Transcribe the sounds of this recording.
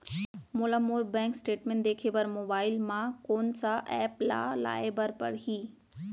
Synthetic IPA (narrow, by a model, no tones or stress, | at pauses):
moːlamuːɾbɛ̃ːŋksʈeːʈmẽːɳʈd̪eːkʰeʋəɾmoːbaːɪlmãkoːnsaʔɛːpla̰la̰ːebəɾpɐ̰ɽɦiː